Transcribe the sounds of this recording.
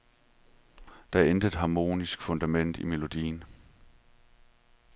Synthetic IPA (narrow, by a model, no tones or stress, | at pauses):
d̥ɑ̈æɐend̥əed̥ɦɑ̈mo̝̰ːnisɡ̥fɔ̽nd̥æmen̰d̥ime̝lo̝d̥ḭːn